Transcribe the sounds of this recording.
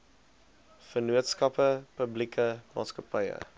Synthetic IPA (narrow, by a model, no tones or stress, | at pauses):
fənuətskɐpəpəblikʰəmɑ̰ːtskɐpɐjə̰